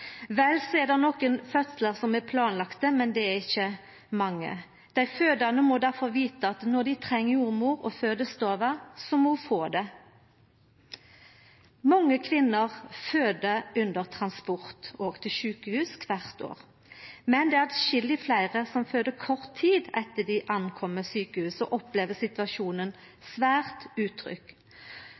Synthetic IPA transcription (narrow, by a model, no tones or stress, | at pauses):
ʋɛlsɔɛʁd̪ɛnɔkənfœt̪sləʁsɔmɛpʰlɑːnlɑkt̪əmɛnd̪ɛæʁɪçːə | mɑŋːə̰ | d̪̥æɪføːd̪ɑnəmɔd̪æʁfɔʁʋiːt̪əɑt̪nɔʁd̪ɪt̪ʰʁɛŋːəuːmuːʁɔ̰føːd̪əst̪oːʋəsɔmɔfoːd̪ɛ | mɔŋːəkʰʋɪnːəʁføːd̪əʉnd̪əʁt̪ʰʁɑnspɔʁt̪oːɡt̪ʰɪlʃʉːkəhʉːskʰʋæʁt̪o̰ːʁ | mɛnd̪ɛːæʁd̪ʃɪlɪflæɪʁəsɔmføːd̪əkʰɔʁt̪ʰːiːd̪ɛt̪ːəd̪ɪʔɑnkʰɔmːəsyːkəhʉːsɔʔɔpleːʋəsɪt̪ʋɑʃuːnən | sʋæːʁt̪ʉːt̪ʰɾʏ̰k